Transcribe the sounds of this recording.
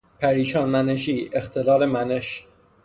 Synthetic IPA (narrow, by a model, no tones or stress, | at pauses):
pʰæɾiːʃɒːnmæneʃ̬iːext̪ʰelɒːlemæneʃ